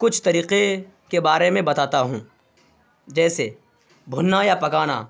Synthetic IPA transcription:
kʊt͡ʃʰt̪ɐɾiːqe | kebaːɾemẽbɐt̪aːt̪aɦũː | d͡ʒɛːse | bʱʊnːajapɐkaːna̰

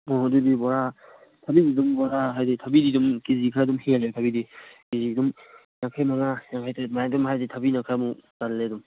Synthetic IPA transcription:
ɔɦdubibɔɹa | tʰabididumbɔɹaɦajdɛtʰabididumkizikʰadumhialɛtʰabidikizidum | nakʰamaŋanakʰajtɛmajdɔmhajditʰabinakʰamukalːɛdum

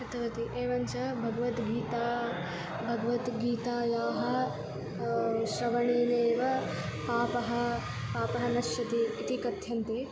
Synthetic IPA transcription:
ɐt̪ɐʋɐt̪iʔeːʋɐnt͡ʃɐbʱɐɡɐʋɐt̪ɡiːt̪aː | bʱɐɡɐʋɐt̪ɡiːt̪aːjaːɦɐ̆ | ʃɾɐʋɐɳeːneːʋɐ | paːpɐɦɐ̆ | paːpɐɦɐnɐʃjɐt̪iːt̪ikɐt̪jɐnt̪eː

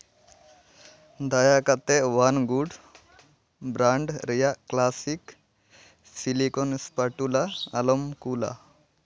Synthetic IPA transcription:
d̪ɐjakɐt̪ːeʋanɡuɖ | bɾaɳɖɾijaklaːsik | silikonspɐʈula̰ːlomkula̰

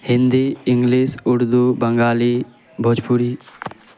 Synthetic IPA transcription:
hɪ̃nd̪iːɪŋɡlisʊɽd̪ubəŋɡaːlibʱod͡ʒpʰuɾiː

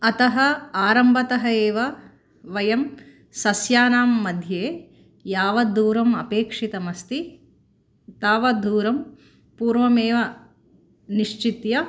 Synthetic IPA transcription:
ɐt̪ɐɦɐaːɾɐmbʱɐt̪ɐɦɐeːʋɐ | ʋɐjɐm | sɐsjaːnaːmːɐd̪ʱjeː | jaːʋɐd̪ʱuːɾɐmɐpeːkʂit̪ɐmɐst̪i | t̪aːʋɐd̪ʱuːɾɐm | puːɾʋɐmeːʋɐ | niʂt͡ʃit̪jɐ

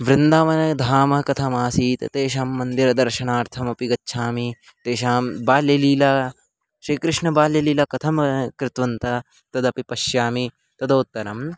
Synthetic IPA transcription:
ʋɾɪnd̪aːʋɐnɐd̪ʱaːmɐkɐt̪ʰɐmaːsiːt̪ɐ̰t̪eːʃaːmːɐnd̪iɾɐd̪ɐɾʃɐnaːɾt̪ʰɐmɐpiɡɐtːʃʰaːmi | t̪eːʃaːmbaːljɐliːlɐ | ʃɾiːkɾɪʂɳɐbaːljɐliːlɐkɐt̪ʰɐmɐkɾɪt̪ʋɐnt̪ɐ | t̪ɐd̪ɐpipɐʃjaːmi | t̪ɐd̪oːt̪ːɐɾɐm

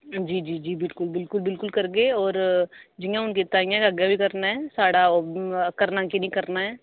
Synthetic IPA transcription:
d͡ʒiːd͡ʒiːd͡ʒiːbɪlkʊlbɪlkʊlbɪlkʊlkɐɾɡeɔːɾd͡ʒijãʊnket̪aːɪ̃jãkɐɡjabʱikɐɾnaɦɛ̃ːsaːɽakɐɾnãːkinɐĩkɐɾnaɦɛː

